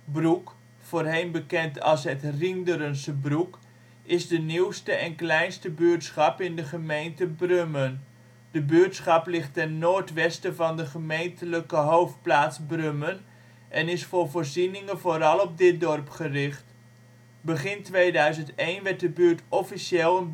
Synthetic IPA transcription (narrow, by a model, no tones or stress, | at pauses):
bruk | foːrɦejnbəkɛntʰɑ̰lˠsɦətrindəɾənsəbruk | ɪzdəniwstəʔɛnklɛjnstəbyːɹtsχɑpɪndəχəmejntəbrømən | dəbyːɹtsχɑplɪχtɛnːoːɹtʋɛstəvɑndəχəmejntʰələkəɦowft̚plaːtsbrømən | ʔɛnɪsfʊːrvoːrzinɪŋəvoːɾɑlˠɔp̚dɪt̚dɔrpχərɪχt | bəχɪntʋejdœɥzəntejnʋɛt̚dəbyːɹtɔfiseːlˠən